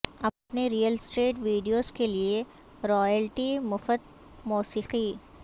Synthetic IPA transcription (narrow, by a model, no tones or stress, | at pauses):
ɐpneɾijəlsʈeːʈʋiːɖijoːzkelie | ɾɔːjəlʈimʊfət̪ | muːsiːqi